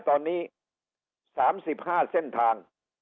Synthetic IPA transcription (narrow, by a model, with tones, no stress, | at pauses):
t̪ɔː˧nːiː˦˥ | saː˩˦msi˨˩p̚haː˥˩se˥˩nt̪ʰaː˧ŋ